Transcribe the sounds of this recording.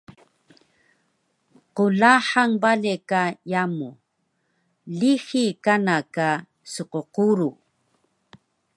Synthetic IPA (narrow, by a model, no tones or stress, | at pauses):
qulaħaŋbalekajamu | lixikanaka | suqoquɾu